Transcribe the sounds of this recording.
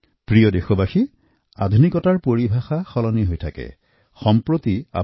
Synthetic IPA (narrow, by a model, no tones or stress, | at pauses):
pɹijɔdexobaxi | ad̪ʱunikɔtaɹpoɹibʱaxaxɔlɔniɦojtʰakɛ̰ | xɔmpɹot̪ia̰